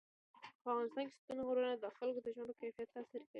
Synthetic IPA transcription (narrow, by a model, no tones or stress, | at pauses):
pəavɣɑnɪst̪ɑnke̥st̪unoɣoɾənad̪əxalkod̪əʒməɽokajfijat̪ːasiɾkəɽi